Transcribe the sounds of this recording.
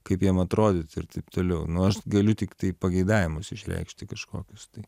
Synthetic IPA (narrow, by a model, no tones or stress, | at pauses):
kɐɪpjiɛmɐt̪ɾoːd̪ʲɪt̪ɪrt̪ɐɪpt̪oːlʲɛʊnʊɐʃɡɐlʲʊt̪ʲɪkt̪ɐɪpɐɡʲɐɪd̪ɑːʋʲɪmʊsɪʃʲɾʲɛ̰ɪkʃʲt̪ʲɪkɐʃko̰ːkʲʊst̪ɐɪ